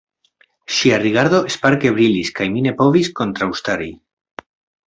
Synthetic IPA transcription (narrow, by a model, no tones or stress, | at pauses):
ʃiariɣaɾðo̞espaɾke̞βɾiliskajmine̞po̞visko̞nt̪ɾawst̪aɾi